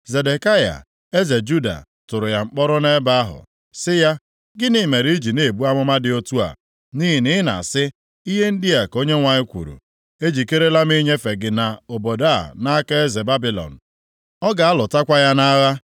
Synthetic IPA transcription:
ze˨de˨ka˦ja̰˨ | e˦ze˨d͡ʒu˦da̰˨ | tʊ˨ɾʊ˨ja˦ŋ͡m̩˦k͡pɔ˦ɾʊ˦ne˦ba˦a˦ɦʊ̰˨ | sɪ˦ja˦ | ɡɪ˦ni˦˨me˨ɾi˦i˦d͡ʒi˨ne˨bu˦a˦mʊ˦ma˦dɪ˨o˦tu˦a̰˨ | ni˦ɦi˨nɪ˦ɪ˦na̰˨a˨sɪ˦ | i˦ɦe˦n̩˦dɪ˦ja˨ko˦ɲe˦ŋʷa˨ɲɪ˦kʷṵ˨ɾṵ˨ | e˦d͡ʒi˨ke˦ɾe˦la˦m˦i˦ɲe˦fe˨ɡɪ˨na˨o˨bo˨da˦˨na˦a˦ka˦e˦ze˨ba˦bi˦lɔ̰˨n̩˨ | ɔ˦ɡa˨a˦lʊ˨ta˦kʷa˦ja˦na˦a˦ɣa˦

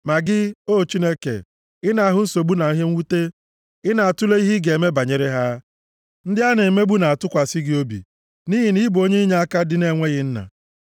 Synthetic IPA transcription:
ma˨ɡɪ˦o˦˨t͡ʃi˦ne˦kḛ˨ | ɪ˦na˨a˦˨ɦʊ˦n̩˦so˨bu˦na˨i˦ɦe˦ŋ̩˦wu˦te˦ | ɪ˦na˨a˨tʊ˦le˦i˦ɦi˦ɡe˨e˨me˦ba˨ɲe˨ɾe˦ɦa˦ | n̩˦dɪ˦a˦ne˨e˨me˦bu˦na˨a˨tʊ˦kʷa˨sɪ˦ɡɪ˦o˦bḭ˨ | ni˦ɦi˨ni˦bo˦ɲe˦i˦ɲa˦a˦ka˦dɪ˦ne˦˨ŋʷe˦ɣɪ˦n̩˦na̰˨

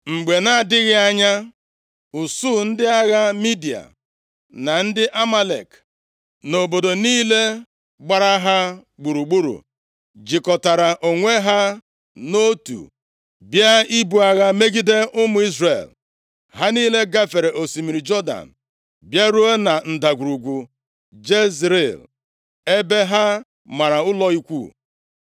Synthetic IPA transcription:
ŋ͡m̩˨ɡ͡be˨na˦˨dɪ˦ɣɪ˦a˦ɲa˦ | u˨su˦˨n̩˦dɪ˦a˦ɣa˦mi˦di˨a̰˨ | na˨n̩˦dɪ˦ʔa˦ma˦lḛ˨k | no˨bo˨do˨niː˦le˦ | ɡ͡ba˨ɾa˦ɦa˦ɡ͡bu˨ɾu˨ɡ͡bu˦ɾṵ˨ | d͡ʒɪ˨kɔ˨ta˨ɾa˨ʔo˨ŋʷe˦ɦa˦ | no˦tṵ˨ | bja˦i˦bu˨a˨ɣa˦me˦ɡi˦de˦ʔʊ˦mʊ˨i˦zrḛ˨l | ɦa˦niː˦le˦ɡa˦fe˨ɾe˨ʔo˨si˨mi˨ɾi˨d͡ʒɔ˦da̰˨n̩˨ | bja˦ɾu˦e˦na˨n̩˨da˨ɡʷu˨ɾu˨ɡʷu˨ | d͡ʒe˦zɾe˨l | e˦be˦ɦa˦ | ma˨ɾa˨ʊ˦lɔ˦i˦kʷṵ˦˨

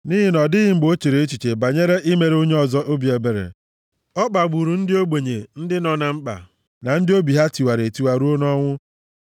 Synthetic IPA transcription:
ni˦ɦɪ˦nɔ˨dɪ˦ɣɪ˦m̩˦ɡ͡bo˦t͡ʃe˨ɾe˨e˦t͡ʃi˨t͡ʃe˨ba˨ɲe˦ɾe˦ʔi˦me˨ɾe˦o˦ɲe˦ɔ˨zɔ˦ʔo˦bi˨e˨be˨ɾḛ˨ | ɔ˦k͡pa˨ɡ͡bu˨ɾu˨n̩˦dɪ˦o˦ɡ͡be˨ɲe˨n̩˦dɪ˦nɔ˨na˨ŋ͡m̩˦k͡pa̰˨ | na˨n̩˦dɪ˦o˦bi˨ɦa˦ti˨wa˨ɾe˨ti˨wa˨ɾu˦o˦nɔ˦ŋʷʊ˦

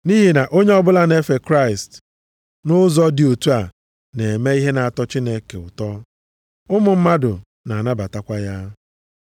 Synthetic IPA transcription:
ni˦ɦi˨na˨ʔo˦ɲe˦ɔ˦bʊ˦la˦ne˦fe˨kɾa˦˨ɪ˨st | nʊ˦zɔ˦dɪ˨o˨tu˦a˨ | ne˨me˦i˦ɦe˦na˨a˨tɔ˦t͡ʃi˦ne˨kḛ˨ʊ̰˨tɔ˦ | ʊ˦mʊ˨m̩˦ma˦dʊ˨ | na˨a˨na˦ba˨ta˦kʷa˦ja˦

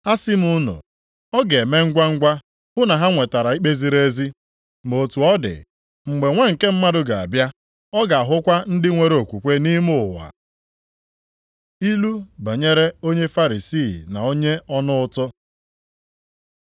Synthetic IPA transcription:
ha˦sɪ˦mʊ˦nʊ̰˨ | ɔ˦ɡe˨e˨me˦ŋ̩˦ɡʷa˦ŋ̩˦ɡʷa˦ | bʊ˦na˨ɦa˦ŋʷe˨ta˨ɾa˨i˦k͡pe˦zi˦ɾe˦zi˦ | mo˨tu˨ɔ˦dɪ̰˨ | ŋ͡m̩˨ɡ͡be˨ŋʷe˦ŋ̩˨ke˦m̩˦ma˦dʊ˨ɡa˨a̰˨bja˦ | ɔ˦ɡa˨a˨ɦʊ˦kʷa˦n̩˦dɪ˦ŋʷe˨ɾe˨o˨kʷu˨kʷe˦ni˦mʊ˦˨wa̰˨ | i˦lu˦ba˨ɲe˦ɾe˦o˦ɲe˦fa˦ɾi˨si˦˨na˨o˦ɲe˦ɔ˦nʊ˦ʊ˦tʊ˦

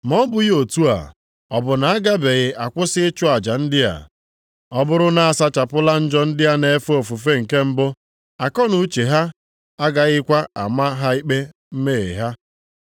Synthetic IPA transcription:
mɔ˦bʊ˨ji˦o˨tu˦a̰˨ | ɔ˨bʊ˨na˨a˦ɡa˦be˨ɣɪ˨ʔa˨kʷʊ˦sɪ˦t͡ʃʊ˦a˨d͡ʒa˨n̩˦dɪ˦ja̰˨ | ɔ˦bʊ˦ɾʊ˦na˨a˨sa˦t͡ʃa˨pʊ˦la˦n̩˦d͡ʒɔ˦n̩˦dɪ˦ja˦ne˨e˦fu˦o˨fu˨fe˦ŋ̩˨ke˦m̩˦bʊ˦ | a˨kɔ˦nu˨˦t͡ʃe˨ɦa˦ | a˦ɡa˨ɣɪ˦kʷa˦a̰˨ma˦ɦa˦i˦k͡pe˦ | m̩˦me˦˨ḛ˨ɦa˦

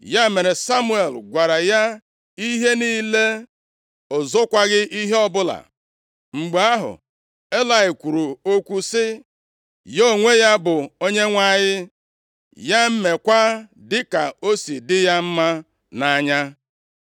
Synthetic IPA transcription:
ja˦me˨ɾe˨sa˦mu˦e˨lɡʷa˨ɾa˨ja˦ | i˦ɦe˦niː˦le˦ | ʊ˨zʊ˦kʷa˦ɡɪ˦ʔi˦ɦe˦ɔ˦bʊ˦la̰˨ | ŋ͡m̩˨ɡ͡be˨a˦ɦʊ̰˨ | e˦la˨ɪ˨kʷu˨ɾu˨o˦kʷu˦sɪ˦ | jo˦˨ŋʷe˦ja˦bʊ˨o˦ɲe˦ŋʷa˦˨ɲɪ˦ | ja˦m̩˦me˨kʷa˦dɪ˦ka˨o˦si˨dɪ˦ja˦m̩˦ma˦ | na˨˦ɲa˦

